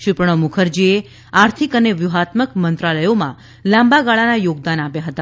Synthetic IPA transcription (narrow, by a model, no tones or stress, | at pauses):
ʃɪpɾɳ̃əmukʰəɾd͡ʒie | aɾt̪ʰikəneʋjuɦat̪məkmənt̪ɾaləjomã̰ | lãmbaɡaɭanajoɡ̚d̪anapjaɦət̪a